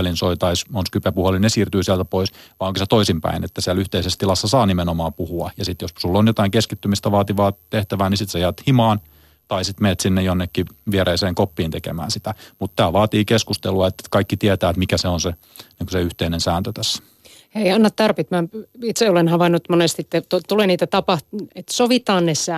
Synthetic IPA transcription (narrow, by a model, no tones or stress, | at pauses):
linsoit̪ɑismonskypepuholinesiːrt̪yːsiɛlt̪æpoisʋɑioŋkiset̪oisimpæ̰inet̪ːæsiælyht̪eisest̪ilɑsːɑsɑːnimenomɑːpuhuɑjɑsit̪jossulːonjot̪ɑiŋkeskit̪ːymist̪æʋɑːt̪iʋɑːt̪eht̪æʋæːnisit̪sɑjæːt̪himɑːn | t̪ɑisit̪meːt̪sinːejonːekːiʋieɾeːseːŋkopːiːnt̪ekḛmæ̰ːnsit̪æmut̪t̪æːʋɑːt̪iːkeskust̪eluɑet̪ːt̪kɑikːit̪iɛt̪æːet̪mikæseonse | niːŋkuseyht̪einensæːnt̪øt̪æsːæ̥ | eiɑnːɑt̪t̪ɑrpit̪mæit̪seolenhɑʋɑnːut̪monest̪it̪ːet̪ot̪uleniːt̪æt̪ɑpɑhtet̪soʋit̪ɑːnnesæ